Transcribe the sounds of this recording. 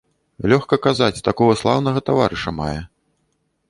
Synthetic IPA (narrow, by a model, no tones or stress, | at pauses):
lʲɔxkɐkazat͡sʲt̪akɔɣɐslˠawn̪ɐɣɐt̪ava̰ɾɨʂɐma̰jɛ